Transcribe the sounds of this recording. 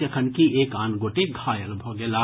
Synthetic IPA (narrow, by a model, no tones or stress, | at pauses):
jɐkʰənkiʔeːkaːnɡoːʈeɡʱaːjəlbʱoːɡelaː